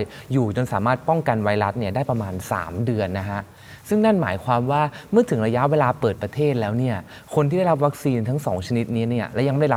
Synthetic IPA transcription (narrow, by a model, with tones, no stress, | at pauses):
juː˨˩t͡ɕo˧nsaː˩˦maː˥˩t̪̚pɔ˥˩ŋka˧nwa˧˥jɾa˦˥t̪̚ni˥˩ɐdaː˥˩jpɾa˧maː˧nsa̰ː˩˦mdɯ˧ənːa˦˥kʰa˦˥ʔ | sɯ˥˩ŋna˥˩nmaː˩˦jkʰwaː˧mwaː˥˩mɯ˥˩ət̪ʰɯ˨˩˦ŋɾa˧ja˦˥ʔweː˧laː˧pɤː˨˩t̪̚pɾa˧t̪ʰeː˥˩t̪̚lɛː˦˥wni˥˩ɐ | kʰo˧nt̪ʰiː˥da˥˩jɾa˦˥p̬̚wa˦˥k̚siː˧nt̪ʰa˦˥ŋsɔ̰ː˩˦ŋt͡ɕʰa˧ni˦˥t̪̚niː˦˥ni˥˩ɐlɛː˦˥ja˧ma˥˩a˥˩˦